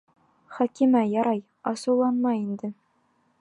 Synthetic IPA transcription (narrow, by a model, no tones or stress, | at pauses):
χɒkimæjɒɾɑj | ɒsɤ̆wlˠɑnmɑind̪ɘ